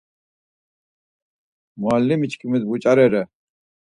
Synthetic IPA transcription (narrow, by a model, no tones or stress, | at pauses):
mualːimit͡ʃkʰʼimid̪̚but͡ʃʼaɾɛɾɛ